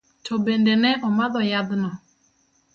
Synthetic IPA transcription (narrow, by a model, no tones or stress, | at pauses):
tʰɔbɛndɛnɛʔɔmaðɔjaðnɔ